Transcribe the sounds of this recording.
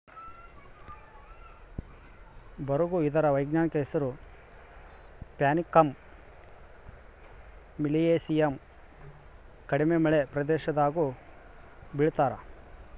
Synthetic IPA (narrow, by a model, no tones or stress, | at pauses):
bɐɾuɡuid̪ɐɾɐʋɐjɡɲaːnikɐɦɛsɐɾu | pjaːnikːɐm | ilieːsijɐm | kɐɽimemɐɭepɾɐd̪ɛːʃɐd̪aːɡu | biɭt̪aːɾɐ